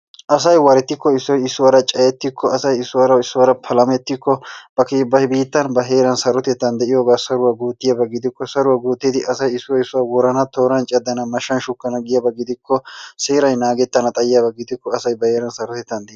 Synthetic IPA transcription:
ʔɐs̬ɐjwɐɾɛt̪ːɪkːɔɪsːɔjɪsːʊwɐɾɐt͡ʃʼɐjɛt̪ːɪkʰːɔɐsɐjɪsːʊwɐɾɐɪsːʊwɐɾɐpʰɐlɐmɛt̪ːɪkːɔb̥ɐkeːbɐbiːt̪ːɐnbɐɦe̞ːɾɐnsɐɾɔt̪ɛt̪ːɐnd̪ɛʔɪjoːɡaːsɐɾʊwɐɡuːt̪ːɪjɐbɐɡɪd̪ɪkːɔsɐɾʊwɐɡuːt̪ːɪd̪ɪʔɐsɐjɪsːʊwɐɪsːʊwɐwɔɾɐnɐt̪oːɾɐnt͡ʃʼɛd̪ːɐnɐmɐʃːɐnʃʊkːɐnɐɡɪjɐbɐɡɪd̪ɪkːɔseːɾɐjnaːɡɛt̪ːɐnɐt̪ʼɐjɪjɐbɐɡɪd̪ɪkːɔɐsɐjbɐheːɾɐnsɐɾɔt̪ɛt̪ːɐnd̪ɛ

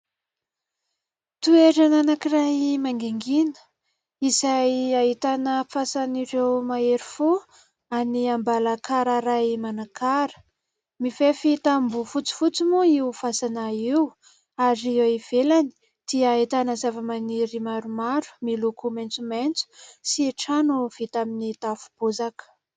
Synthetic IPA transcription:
t̪ueɾananakirajmaŋɡeŋɡinə̥ | izajait̪anəfasanirewmaeɾifu | aniambalakaɾaɾajmanakʰaɾə̥ | mifefit̪ambufut͡si̥fut͡simuiufasanaiwu | aɾieiv̥elani̥ | d̪̥iəit̪anəzavəmaniɾimaɾumaɾu̥milukument͡sument͡su̥siʈ͡ʂanuv̥it̪aminit̪afu̥b̥ozakə̥

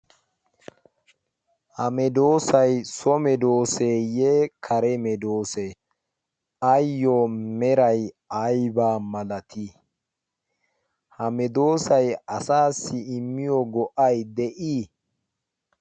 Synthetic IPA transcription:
hɐmɛd̪o̞ːsɐjsɔmɛd̪o̞ːseːjekʰɐɾɛmɛd̪o̞ːse | ʔɐjːomɛɾɐj | ɐjbaːmɐlɐt̪i | hɐmɛd̪o̞ːsɐjɐsaːsːɪɪmːɪjɔɡɔʔɐjd̪ɛʔiː

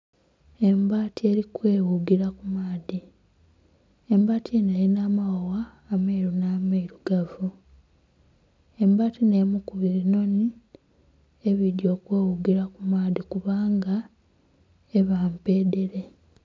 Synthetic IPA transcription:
e̞mbaːtie̞ɾikweːwuɡiɾakumaːði | embaːtʰieneːɾinaːmawowaː | meiɾunameiɾuɡavu | e̞mbaːtinemukuβiɾino̞ni | eβidjo̞ːkwe̞ːwuɡiɾakumaːðikuβaːŋɡa | eβaːmpe̞ːde̞ɾe̞

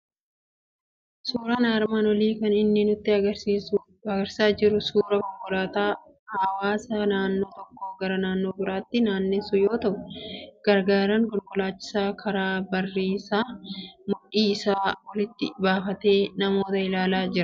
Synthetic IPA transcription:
suːɾɐnaːɾmaːnwɐliːkɐnɪnːɪnʊt̪ːɪɐɡɐsiːsʊ | ɐɡɐɾsaːd͡ʒɪɾʊsuːɾɐkɔlɡɔlaːt̪aː | hɐwaːsɐnaːnːo̞ːt̪ɔkːo̞ːɡɐɾɐnaːnːo̞ːbɪɾaːt̪ːɪnaːnːɪsʊjo̞ːt̪ɐʔʊɡ̥ɐɾɡaːɾɐŋkɔlɡɔlaːt͡ʃːɪ̥saːkʰɐɾaːbɐrːiːsaːmʊᶑiːsaːwɐlɪt̪ːɪbaːfɐt̪e̞ːnɐmo̞ːt̪ɐɪlaːlaːd͡ʒɪɾɐ

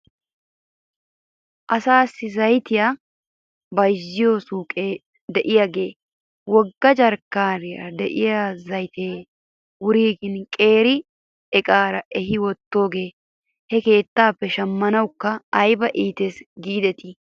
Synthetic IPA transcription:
ʔɐsaːsːɪzɐjt̪ɪjaː | bɐjzːɪjo̞ːsuːkʼe | d̪ɛʔɪjaːɡe̞ː | wɔɡːɐd͡ʒɐɾkːaːɾɪja̰d̪ɛʔɪjaːzɐjt̪ʰeː | wʊɾiːɡɪnkʼe̞ːɾɪ | ɛkʼaːɾɐʔɛɦɪwɔt̪ːo̞ːɡeː | hɛke̞ːt̪ːaːpːɛʃɐmːɐnɐwkːɐːjbɐʔiːt̪eːsɡiːd̪ɛt̪ɪ

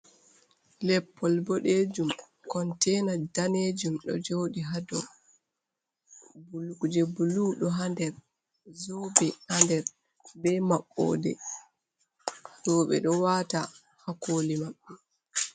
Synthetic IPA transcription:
lɛpʰːɔlbɔɗeːd͡ʒum | kɔntɛnadaneːd͡ʒumɗɔ̰d͡ʒoːɗiɦadɔ | bulukd͡ʒɛbuluɗɔɦandɛɾ | zɔbɛhandɛɾ | bɛmaɓːɔ̰ːdɛ | zɔɓɛ̰ɗɔwata | hakoːlimaɓːɛ

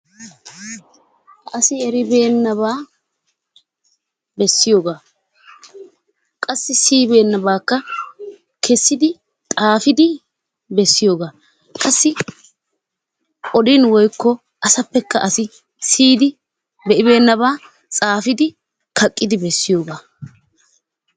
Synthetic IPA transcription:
ʔɐsɪɛɾɪbe̞ːnːɐβaː | bɛsːɪjo̞ːɡaː | kʼɐsːɪsiːbe̞ːnːɐbaːkːɐ | kʰɛsːɪd̪ɪ | t̪ʼaːfɪd̪ɪ | bɛsːɪjo̞ːɡaː | kʼɐsːɪ | ɔd̪ɪnwɔjkːɔ | ʔɐsɐpːɛkːɐʔɐsɪ | siːd̪ɪ | bɛʔɪbe̞ːnːɐβaː | t͡sʼaːfɪd̪ɪ | kʰɐkʼːɪd̪ɪbɛsːɪjo̞ːɡaː

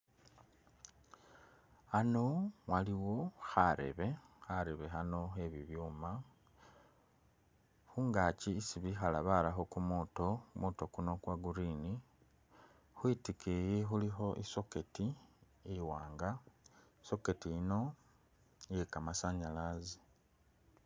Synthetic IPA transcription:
ano̞waliwo̞xaɾe̞̰βe̞xaɾe̞βe̞xano̞xe̞βiβjuːma | xuːŋɡaciːsiβixalaβalaxo̞kumuto̞kumuto̞kuno̞kwaɡuɾini | xwitikʰejexulixo̞ʔiso̞keti | ewaːŋɡaiso̞ketiino̞ | jekamasaɲalazi

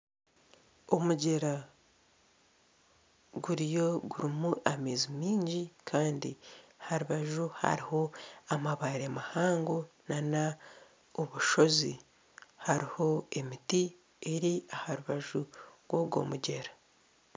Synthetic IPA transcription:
o̞muɟe̞ɾa | ɡuɾijo̞ɡuɾimuʔameːzimiːɲɟikʰaːndiahaɾuβaʒuha̰ɾiho̞amaβaɾemahaːŋɡonana | oβuʃo̞zi | haɾiho̞e̞miti | e̞ɾiahaɾuβaʒuɡwoɡo̞̰ːmuɟe̞ɾḁ

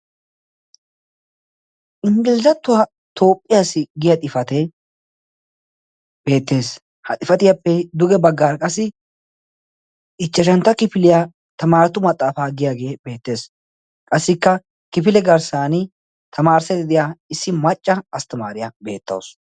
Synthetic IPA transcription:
ʔɪŋɡɪlzɐt̪ːʊwa | t̪ʰo̞ːpʼːɪjaːsɪɡɪjɐt̪ʼɪfɐt̪ɛ | be̞ːt̪ːe̞ːs | hɐt̪ʼɪfɐt̪ɪjapːɛd̪ʊɡɛbɐɡːaːɾkʼɐsːɪ | ɪt͡ʃːɛʃɐnt̪ːɐkɪfɪlɪja | t̪ɐmaːɾɐt̪ʊmɐt̪ʼːaːfaːɡɪjaːɡe̞ːbe̞ːt̪ːe̞ːs | kʼɐsːɪkːɐ | kɪfɪlɛɡɐɾsaːnɪ | t̪ʰɐmaːɾsɛt̪ɪd̪ɪjaːɪsːɪmɐt͡ʃʼːɐɐst̪ɐma̰ːɾɪjɐbe̞ːt̪ːɐ̰ws

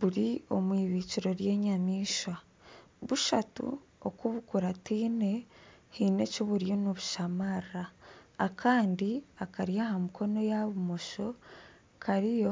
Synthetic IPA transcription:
βuɾio̞mwiːβiːciɾo̞ɾje̞ːɲamiːʃwa | βuʃatṵ | okuβukuɾatiːne̞hine̞coβuɾijo̞noβuʃamaraːkʰaːndiakaɾjahamuko̞no̞jaβumo̞ʃo̞ | kʰaɾijo̞

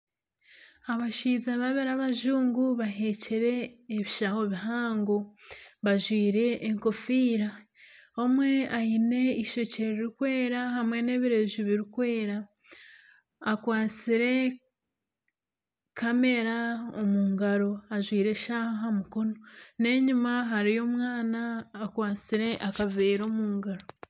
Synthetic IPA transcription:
aβaʃiːzaβaβeɾaβaʒuːŋɡuβaɦe̞ciɾe̞ːβiʃaho̞βiɦaːŋɡoβaʒwiːɾe̞ːŋko̞fiːɾa | omwe̞ajine̞iʃo̞ceɾiɾikwe̞ːɾahamwe̞ne̞ːβiɾe̞ʒuβiɾikwe̞ːɾa | kwaːt͡siɾe̞ | kame̞ɾaomuːŋɡaɾo̞aʒwiːɾe̞ʃahɦamuko̞none̞ɲumaɦaɾijo̞ːmwaːnaːkwaːt͡siɾe̞ʔakave̞ːɾo̞ːmuːŋɡaɾo̞

